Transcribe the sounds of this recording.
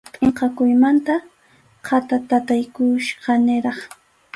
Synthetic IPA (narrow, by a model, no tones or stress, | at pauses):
pʼɪɴqɑkʊjmant̪a | qʰɑt̪at̪at̪ajkʊʃɢɑnɪɾɑχ